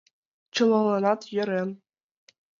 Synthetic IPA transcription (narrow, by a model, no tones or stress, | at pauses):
t͡ɕɤ̆lˠɑlˠɑnɑt̪jɘ̆ɾʲen